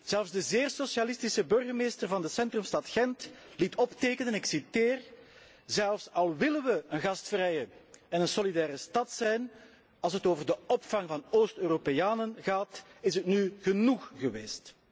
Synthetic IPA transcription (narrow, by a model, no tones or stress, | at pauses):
z̥ɛlˠfvzdəzeːrsosjalɪstisəbɵrɣərmeːstərvɑndəsɛntrɵmstɑtxɛntlitɔpteːkənənɪksiteːr | zɛlˠfsɑlˠʋɪlənʋəənɣɑstfrɛjəɛnənsolidɛːɾəstɑtsɛjn | ɑlˠsɦətoːvərdəɔpfɑŋvɑnoːstøːropejaːnənɣaːtɪsətnyɣənuxɣəʋeːst